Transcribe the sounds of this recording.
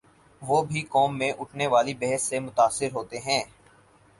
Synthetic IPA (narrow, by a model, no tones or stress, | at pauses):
ʋoːbʱikɔːmːẽʔʊʈʰneʋaːlibɛɦəsːemʊt̪aːsːɪɾɦoːt̪eɦɛ̃ː